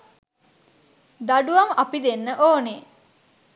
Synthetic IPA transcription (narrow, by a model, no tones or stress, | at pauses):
d̪aɖuʋamɐpid̪enːəʔoːne